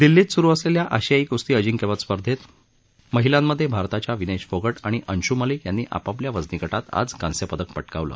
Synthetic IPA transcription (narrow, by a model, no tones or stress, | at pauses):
d̪ilːiːt̪suɾuːəsleljaʔəɕiaikust̪iːəd͡ʑiŋkeʋət̪spəɾd̪ʱet̪ | məɦilãmːəd̪ʱːjebʱaɾt̪at͡ɕjaʋined͡ʑfoɡəʈaɽ̃iʔənɕuməliːkjanːiːʔa̰papljaʋəd͡znikəʈat̪a̰d͡zkansepəd̪ək̚pəʈkaʋlə̰ː